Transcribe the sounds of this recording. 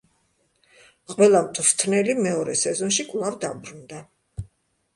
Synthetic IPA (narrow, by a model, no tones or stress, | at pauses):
qʼwɛlˠamt̪ʰʼft̪ʰnɛlimɛɔɾɛsɛzɔnʃikʼvlˠavd̪abɾund̪a